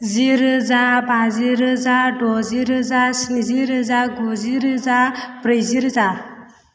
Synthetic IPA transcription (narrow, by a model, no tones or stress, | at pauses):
ziɾzabaziɾɯzaɖɔziɾɯzasiziɾɯzaɡoziɾzapɾəjziɾza